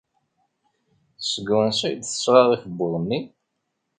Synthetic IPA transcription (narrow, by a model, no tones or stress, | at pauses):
θsəɡwənsæ̰jd̪θə̥sɾˤɑðˤifəbːʊðˤnːi